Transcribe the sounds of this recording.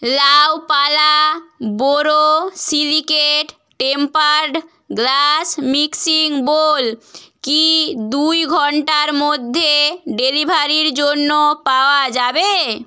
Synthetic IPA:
lawpalaboɾosilikeʈ | ʈempaɾɖ | ɡlasmiksiŋbolkid̪ujɡʱɔɳʈaɾmod̪ʱːeɖelibʱaɾiɾd͡ʑonːopaoad͡ʑabe

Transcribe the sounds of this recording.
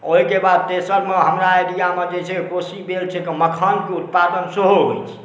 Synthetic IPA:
oɦikebad̪̚t̪esəɾmeɦəmɾaːjɖijamed͡ʒesʰekosibelt͡ʃʰɛkeməkʰankeut̪̚pad̪ənseɦoɦo̰jt͡ʃʰɛ̥

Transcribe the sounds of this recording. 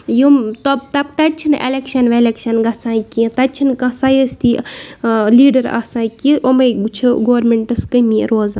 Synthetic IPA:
jumt̪ob̚t̪ɐb̚t̪ɐt͡ʃʰinḛlekʃɐnʋelekʃɐnɡɐt͡sʰãːkĩt̪ɐt͡ʃʰinkɐ̃sajɐst̪i | liːɖɐɾa̰sãːkĩʔomɐjɡt͡ʃʰuɡoːɾmeɳʈɐskɐmḭɾoːzɐ

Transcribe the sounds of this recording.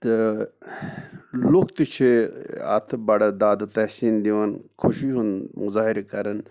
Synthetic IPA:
t̪ɨ | lukt̪it͡ʃʰeɐ̰t̪ʰbɐɽɐd̪aːd̪ɐt̪ɐhsiːnd̪iʋɐnkʰuʃiɦunmuzaːhiɾekɐɾɐn

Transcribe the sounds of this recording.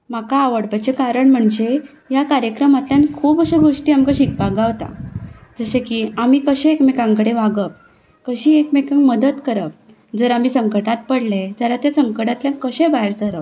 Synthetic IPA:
m̤akaːʋəɽpat͡sekaɾəɳm̤əɳd͡ʑe | jakaɾjəkɾəmat̪ljãnkʰuːpəɕeɡʱoʂʈiːamkaɕik̚paɡaʋt̪a̰d͡zəsekiamiːkəɕẽekmekãŋkəɽeʋaɡəp̚ | kəɕiːekmekaŋɡməd̪ət̪kəɾəp̚ | d͡zəɾamiːsəŋkəʈat̪̚pəɽled͡zalat̪jasəŋkəʈat̪ljãnkəɕẽbaɦeɾsəɾəʋ

